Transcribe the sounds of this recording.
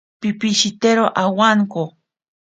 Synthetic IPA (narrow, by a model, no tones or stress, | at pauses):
pipiʃit̪eɾoʔawaŋko